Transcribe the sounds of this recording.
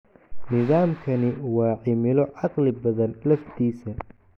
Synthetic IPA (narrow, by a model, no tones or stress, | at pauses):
nɪðaːmkʰɐnɪwɑːʕɪmɪlɔʕɑqlɪbɐðɐnlɐft̪ʰiːsɐ